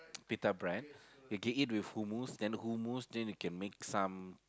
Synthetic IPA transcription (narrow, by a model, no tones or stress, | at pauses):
pitabɹɛ̃njuɡɛtit̬̚wifhumusdɛ̃nhumusdɛ̃njukɛ̃nmek̚sãm